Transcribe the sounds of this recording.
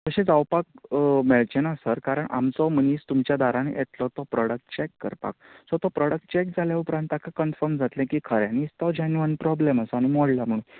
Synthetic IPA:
t̪əɕẽd͡zawpakmeɭt͡ɕenasəɾkaɾəɳa̰mt͡sɔməniːst̪umt͡ɕjad̪aɾãnḛʔet̪lɔt̪ɔpɾɔɽək̚ʈt͡ɕekːə̰ɾpa̰ksɔt̪ɔpɾɔɽək̚ʈ̚t͡ɕɛk̚d͡zʱaljaupɾãnt̪akʰakənfəɾmd͡zʱat̪lɛ̃kikʰəɾjãnist̪ɔd͡ʑanuʋanpɾɔbleməsaɽ̃imɔɽlam̤əɽ̃ũːn

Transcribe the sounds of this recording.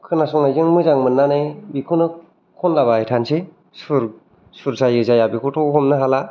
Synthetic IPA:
kʰɯnasɔŋnajzɯŋmɯzaŋmɯnːanɯjbikʰɯnɯ | kʰɔnlaβaajtʰanse | sɯɾ | suɾsajɯzajabikʰutʰɔɦɔmnɯɦala

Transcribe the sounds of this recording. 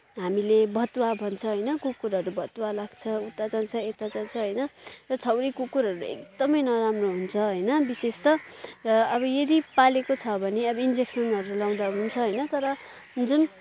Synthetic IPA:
ɦamilebʱʌt̪wabʱʌnt͡sʰʌɦʌjnʌkukuɾʌʌɾubʱʌt̪walaɡt͡sʰʌut̪ːad͡zant͡sʰʌet̪ad͡zant͡sʰʌɦʌjnʌrʌt͡sʰʌwɾikukuɾʌɾuḛkd̪̥ʌmʌjnʌɾamroɦunt͡sʰʌɦʌjnʌbisest̪ʌrʌʌbʌjʌd̪ipalekot͡sʰʌbʱʌneʌbʌind͡zeksʌnʌɾulaw̃d̪aɦunt͡sʰʌɦʌjnʌt̪ʌɾʌd͡zun

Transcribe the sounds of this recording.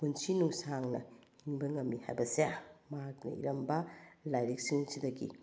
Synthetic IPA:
kunsinuŋsaŋnɐ̰hiŋbɐŋɐmːiha̰jbɐsejamɐɦak̚nɐ̰ḭɾɐmbɐlajɾik̚siŋsidɐɡḭ

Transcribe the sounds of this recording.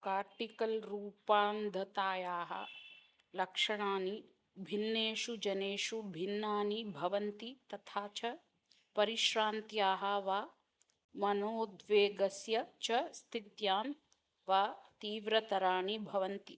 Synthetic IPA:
kaːɾʈikɐlɾuːpaːmd̪ʱɐt̪aːjaːɦɐ̰ | lɐkʂɐɳaːni | bʱinːeːʃud͡ʒɐneːʃubʱinːaːnibʱɐʋɐnt̪it̪ɐt̪ʰaːt͡ʃɐ | pɐɾiʃɾaːnt̪ijaːɦɐʋaː | mɐnoːd̪ʋeːɡɐsjɐt͡ʃɐst̪ʰit̪jaːm | ʋaːt̪iːʋɾɐt̪ɐɾaːɳibʱɐʋɐnt̪i

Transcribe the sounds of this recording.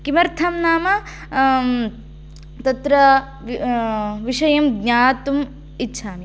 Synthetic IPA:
kimɐɾt̪ʰɐmnaːmɐ | t̪ɐt̪ɾɐ | ʋiʂɐjɐmɡɲaːt̪um | itːʃʰaːmi

